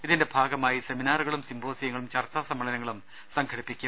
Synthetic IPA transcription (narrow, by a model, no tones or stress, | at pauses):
iðinde̞bʱaːɡɐmaːjise̞minaːruɣɐɭumsimbʱoːsɐjɐŋːɐɭumt͡ɕɐrt͡ɕːaːsɐmːɐɭɐnɐŋːɐɭum | sɐŋɡʰʱɐɽipːikʲːu